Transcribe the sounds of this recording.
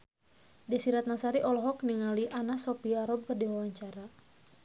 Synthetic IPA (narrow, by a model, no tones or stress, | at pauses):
dɛsiɾat̪̚nasaɾiʔɔlɔɦɔkniŋaliʔanasɔpiaɾɔb̚kərdiwawaɲt͡ʃaɾa